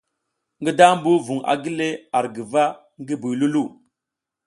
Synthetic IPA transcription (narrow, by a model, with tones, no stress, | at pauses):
ŋɡi˦da˦m˦bu˦vu˨ŋa̰˨ɡi˦le˦a˨ɾɡi˨va˦ | ŋɡi˦bu˨jlu˦lu˦˨